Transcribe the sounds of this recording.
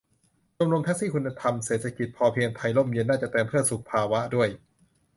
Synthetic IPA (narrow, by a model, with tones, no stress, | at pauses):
t͡ɕo˧mɾo˧pʰɛ˦˥siː˥˩kʰu˧nːa˧t̪ʰa˧mseː˨˩t̪̚ʰa˧ki˨˩t̪̚pʰɔː˧pʰi˧əŋp̪ʰa˧jlo˥˩mje˧nːaː˥˩t͡ɕa˨˩t̪eː˧mpʰɯ˥˩ənsu˨˩k̚pʰaː˧wa˦˥du˥˩əj